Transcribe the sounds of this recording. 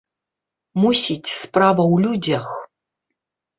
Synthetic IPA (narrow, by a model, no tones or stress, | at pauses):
musitʲʰspraːvɐwludʲɐx